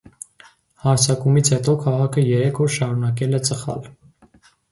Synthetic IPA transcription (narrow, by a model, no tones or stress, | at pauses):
hɑɾt͡sʰɑkumit͡sʰhɛt̪ɔkʰɑʁɑkʰəjɛɾɛkʰɔɾʃɑɾunɑk̬ɛlɛt͡səχɑ̰l